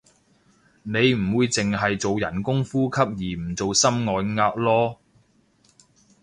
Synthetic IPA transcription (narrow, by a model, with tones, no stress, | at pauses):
ne˨˧jm̩˨˩wuː˨˧jt͡sɪ˨ŋɦɐ˨jt͡so˨wjɐ˨˩nkʊ˥ŋfuː˥kʰɐ˥p̚jiː˨˩m̩˨˩t͡so˨wsɐ˥mŋɔː˨˧jŋaː˧k̚lɔː˥